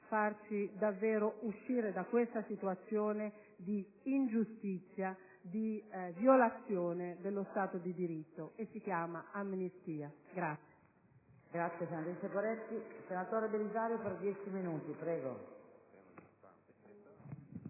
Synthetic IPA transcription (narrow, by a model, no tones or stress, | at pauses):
fart͡ʃid̪avːɛːɾoʔuʃːiːɾed̪akːwest̪asit̪uat̪sːjoːne | d̪iː | nd͡ʒust̪it̪sːja | d̪ivjolat̪sːjoːned̪elːost̪aːt̪od̪id̪iɾit̪ːoesːik̟jaːmaamːnist̪iːaɡɾat̪sːje | ɡɾat̪sjesenat̪ɾisepoɾɛt̪ːisenat̪oːɾed̪elizaːɾjopeɾd̪jɛt͡ʃiminuːt̪ipɾɛːɡo̰